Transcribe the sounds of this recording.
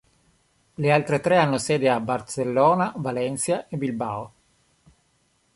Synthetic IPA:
lealt̪ɾet̪ɾɛanːosɛːd̪eabːarselːɔːnavalɛnsjaʔebilba̰ːo

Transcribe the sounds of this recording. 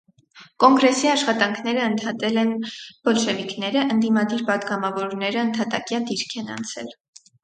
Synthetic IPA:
kɔŋɡɾɛsiɑʃχɑt̪ɑŋkʰnɛɾəːnt̪ʰɑt̪ɛlɛnb̥ɔlʃɛviknɛɾəʔənd̪imɑd̪iɾpɑd̪ɡɑmɑvɔɾnɛɾəənt̪ʰɑt̪ɑkjɑd̪iɾkʰɛnɑ̰nt͡sʰɛ̰l

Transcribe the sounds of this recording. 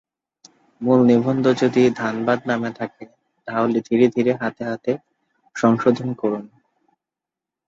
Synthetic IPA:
mulnibʱond̪od͡ʑod̪id̪ʱanbad̪namet̪ʰake | d̪ʱaolid̪ʱiɾed̪ʱiɾeɦat̪eɦat̪e | ʃɔŋʃod̪ʱonkɔɾun

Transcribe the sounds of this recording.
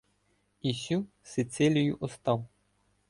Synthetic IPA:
isʲu | sɪt̪sɪlʲijʊʔɔst̪ɑw

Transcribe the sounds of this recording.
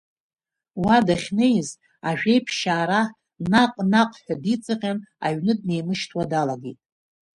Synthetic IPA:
wadaχʲnejz | aʒᶣe̞jpʰʃaːɾa | naqʼnaqʼħᶣadit͡sʼɨqʲʼana̰ɥnɨdne̞jmɨʃtʰwadalaɡḛtʼ

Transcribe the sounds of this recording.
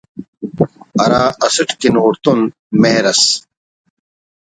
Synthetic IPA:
ɐɾaːʔɐsɐʈkinʁʊɾt̪un | meːɾɐs

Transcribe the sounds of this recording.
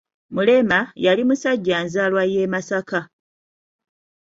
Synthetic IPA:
mule̞majalimusaɟːaːnzaːlwaje̞ːmasaka

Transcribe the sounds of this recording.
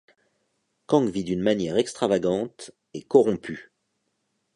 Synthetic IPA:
kɑ̃ɡvid̪ynmanjɛʁɛkst̪χavaɡɑ̃t̪ | ekɔʁɔ̃py

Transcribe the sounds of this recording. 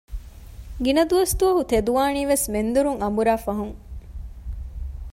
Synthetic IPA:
ɡinɐd̪uʋɐst̪uɐɦut̪ed̪uʋaːniːʋesmend̪uɾuŋɐmbuɾaːfɐɦuŋ

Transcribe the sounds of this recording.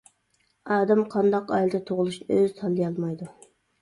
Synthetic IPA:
ɑːd̪ɛmqʰɑnd̪ɑqɑ̰jlˠd̪ɛt̪ʰoʁʊlˠuʃnɨøz̥t̪ʰɑlˠːijɑlˠmɑjd̪u

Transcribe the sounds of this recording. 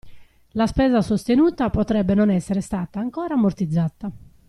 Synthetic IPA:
laspɛːzasost̪enuːt̪apɔt̪ɾɛbːɛnɔnɛsːɛɾɛst̪aːt̪aːŋkɔːɾaːmːort̪id̪zːat̪ːa

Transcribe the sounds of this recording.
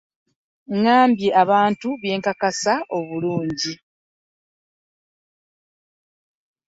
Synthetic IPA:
ŋaːmbje̞ʔaβaːntuβje̞ːŋkakasao̞βuluːɲɟi

